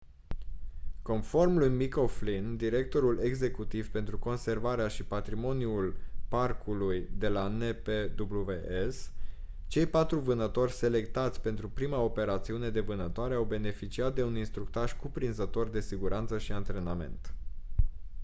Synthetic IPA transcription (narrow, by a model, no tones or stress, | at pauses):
ko̞nfo̞rmlujmiko̞flind̪iɾe̞k̚t̪o̞ɾule̞ɡze̞kut̪iv̥pe̞nt̪ɾuko̞nse̞rvaɾeaʃipat̪ɾimo̞njuulparkʰulujd̪e̞laneped̪ubluveʔes | t͡ʃe̞jpat̪ɾuvɨnət̪o̞rʲse̞le̞k̚t̪at̪sʲpe̞nt̪ɾupɾimao̞pe̞ɾat̪siune̞d̪e̞vɨnət̪oaɾe̞awbe̞ne̞fit͡ʃiat̪̚d̪e̞uninst̪ɾuk̚t̪aʃkupɾinzət̪o̞rd̪e̞siɡuɾant̪səʃiant̪ɾe̞name̞̰nt̪